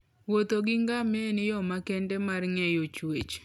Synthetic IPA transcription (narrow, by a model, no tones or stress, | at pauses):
wot̪oɡɪŋɡamenɪjɔmakɛndɛmarŋɛjot͡ʃwet͡ʃ